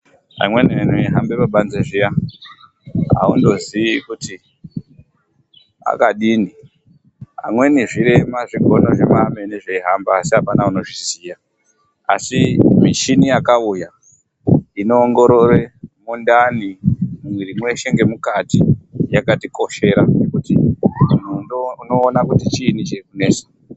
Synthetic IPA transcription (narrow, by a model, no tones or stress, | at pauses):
a̰mwenien̤ueɦambeʋaɓanzeʐija | ɦa̰undo̞ziʋikuti | a̰kaɗini | ɦa̰mwe̞niʐiɾe̞maʐiɡʱo̞no̞ʐemameneʐeiɦambaːsiɦapanauno̞ʐizija | a̰simiʃinijakauja | ino̞ːŋɡo̞ɾo̞re̞mundanimumwiɾimwe̞ʃe̞ŋɡe̞mukatijakatiko̞ʃe̞ɾa̰nekutimun̤uuno̞ːnakutit͡ʃiːnit͡ʃekune̞ːsḁ